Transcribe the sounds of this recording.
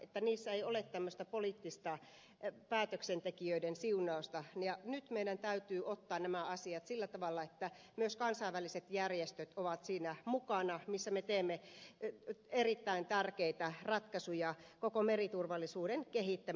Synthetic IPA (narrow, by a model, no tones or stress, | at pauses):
et̪ːæniːsːæeiolet̪t̪æmːøst̪æpoliːˑt̪ːist̪ɑ | pæːt̪øksent̪ekiøidensiunˑɑost̪ɑjɑnyt̪meidænt̪æyt̪yːʔot̪ːɑːnnæmæɑsiɑt̪silːæt̪ɑʋɑlːɑet̪ːæ | myøskɑnsɑiʋæliset̪jærjest̪øt̪oʋɑt̪siːnæmukɑnɑmisːæmet̪eːmːe | erit̪ːæint̪ærkeit̪ærɑt̪kɑsujɑkokomerit̪urʋɑlːˑisuːdenkehit̪ːæ